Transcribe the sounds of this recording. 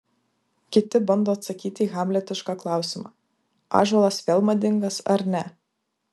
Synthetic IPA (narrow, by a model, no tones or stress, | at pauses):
kʲɪt̪ʲɪbɐnd̪oːɐt̪sɐkʲiːt̪ʲiːɣɑːmʲlʲɛt̪ʲɪʃkɑːklˠɑˑʊsʲɪmɑ̰ː | ɑ̰ːʒɐlˠɐsʋʲeːlˠmɐd̪ʲɪŋɡɐsɐɾnʲɛ